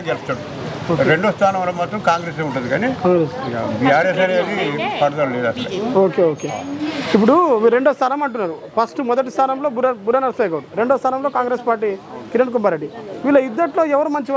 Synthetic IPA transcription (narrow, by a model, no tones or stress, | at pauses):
ɡelɐst̪ɐɽu | oɾeɳɖoːst̪ʰaːnɐmɐɾɐmːaːt̪ɾɐmkaːŋɡɾeːs̬euɳʈund̪ikaːnikaŋɡɾesbiaːɾeːsɐɾeːd̪ipɐʈɐd̪ɐluleːd̪ɐːst̪ɐ̰oːkeoːkeip̬ːuɽuʋiɾe̞ɳɖoːst̪ʰɐɾɐmɐɳʈunːaːɾupʰɐsʈumɔd̪ɐʈ̬ist̪ʰɐnɐmlo̞ːbuɾɐbuɾɐnɐɾseːɡɐɽuɾe̞ɳɖoːst̪ʰɐːnɐmloːkaːŋɡɾeːspaːɾʈiːkiɾɐɳɖk̬umbɐɾeɖːiʋiːlɐid̪ːɐʈloːɛʋɐɾumɐɲt͡ʃiʋ